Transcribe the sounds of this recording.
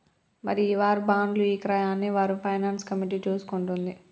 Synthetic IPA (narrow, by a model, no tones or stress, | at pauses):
mɐ̰ɾiʋaːɾubaːɳɖluiːkɾɐjaːnːiʋaːɾupʰɐjnaːnskɐmiʈ̬iːt͡ʃuːsu̥kuɳʈund̪i